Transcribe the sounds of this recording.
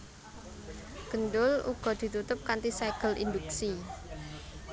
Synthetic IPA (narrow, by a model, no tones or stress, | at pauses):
ɡ̥ə̤nɖʊlṵɡ̥ɔ̤d̪̥i̤t̪ut̪ʊp̚kant̪isaɡ̥əlʔḭnd̪uksi